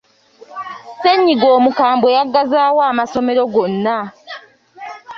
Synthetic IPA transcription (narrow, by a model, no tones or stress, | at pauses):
se̞ɲːiɡo̞ːmukaːmbo̞jaɡːazaːwaːmaso̞me̞ɾo̞ɡo̞nːa